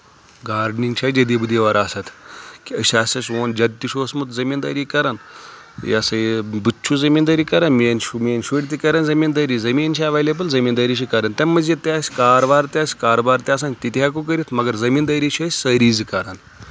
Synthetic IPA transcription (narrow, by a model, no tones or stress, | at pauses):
ɡaːɾɖniŋɡt͡ʃʰad͡ʒed̪ibud̪iʋaɾaːsat̪ʰkiəʃaːsʲɐsʋoːnd͡ʒɐd̪t̪ːiʃoːsmut̪zɐmiːnd̪ɐːɾiːkɐɾan | ja̰sɐbɨt͡ʃʰuzɐmiːnd̪ɐɾiːkɐɾanminʃuminʃuɽt̪ikɐɾɐːnzɐmiːnd̪əɾiːzɐmiːnt͡ʃʰiɐʋelebəlzɐmiːnd̪ɐɾit͡ʃikɐɾɐnt̪emːɐzet̪ʲeasʲkaːɾbaːɾt̪ʲaːsʲkaːɾbaːɾt̪ʲiaːs̬aːnt̪it̪ak̬uk̬əɾit̪ʰmɐɡɐɾzɐmiːnd̪ɐɾit͡ʃʰɐsʲsəɾiːzkɐɾaːn